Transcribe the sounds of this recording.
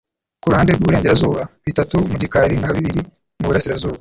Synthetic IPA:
kuɾuhaːndebɡuβuɾeːɲɟeɾazuːβaβitatumuɟikaɾiŋaβiβiɾi | muβuɾasiɾazuːβa

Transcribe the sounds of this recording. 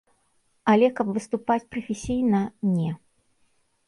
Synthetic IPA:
ɐlʲɛkɐpvɨst̪upat͡sʲpɾɐfʲesʲijnɐnʲɛ

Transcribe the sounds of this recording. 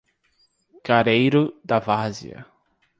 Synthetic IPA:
kaɾejɾʊd̪ɐvazḭɐ̰

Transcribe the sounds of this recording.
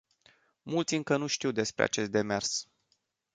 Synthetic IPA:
mult̪sʲɨŋkənuʃt̪iwd̪e̞spɾea̰t͡ʃe̞st̪̚d̪e̞me̞rs

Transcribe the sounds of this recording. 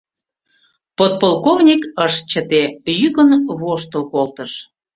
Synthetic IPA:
pot̪̚polkovnʲikəʃt͡ɕət̪ejyɣənβoʃt̪əlkolt̪əʃ

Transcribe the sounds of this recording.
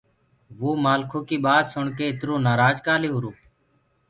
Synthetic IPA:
ʋoːmaːlkʰoːkiːɓaːd̪sʊɳkeːɪt̪ɾõːnaːɾaːd͡ʒkaːliːɦʊɾoː

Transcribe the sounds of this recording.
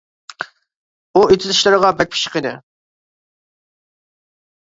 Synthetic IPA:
uet̪ʰɪzɪʃlˠɨɾəʁɑbɛk̚ʲpʰi̥ʃqəd̪ɪ

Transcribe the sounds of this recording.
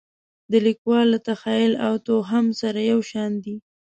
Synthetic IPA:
d̪əlikwɑlːat̪axɑjɪlawt̪oɦamsaɾajawʃɑnd̪i

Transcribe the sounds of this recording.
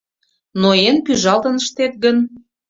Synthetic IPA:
noenpyʒɑlt̪ə̆nəʃt̪et̪̚ɡən

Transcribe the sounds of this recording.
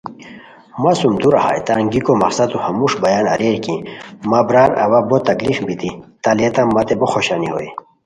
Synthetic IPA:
masumd̪uɾaha̰jt̪aŋɡikomɐ̰qsat̪uhɐmuʂbɐjanɐ̰ɾeɾkĩmabɾaɾɐ̰wabot̪ɐɡlixbit̪it̪alet̪amːɐt̪eboxoɕaniɦo̰j

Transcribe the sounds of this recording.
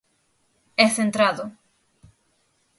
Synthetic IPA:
ɛθent̪ɾaðʊ

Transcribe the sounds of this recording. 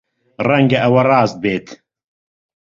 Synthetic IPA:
rɛŋɡɐʔɐwɐrɑːst̪̚beːt̪ʰ

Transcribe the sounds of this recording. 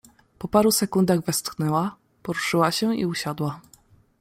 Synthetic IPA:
pɔpaɾusɛkund̪aɣvɛst̪xnɛwa | pɔɾuʂɘwaɕɛḭuɕad̪wa

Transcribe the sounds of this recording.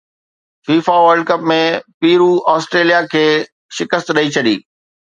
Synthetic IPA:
fiːfaʋəɾɖkɐpmẽpiːɾuɔːsʈɾeːlijakʰeː | ʃɪkəst̪ɗɐit͡ɕʰɐɗḭː

